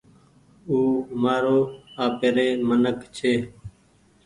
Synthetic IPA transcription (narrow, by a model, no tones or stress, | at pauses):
uːmaːɾoːaːpeːɾeːmənəkt͡ʃʰeː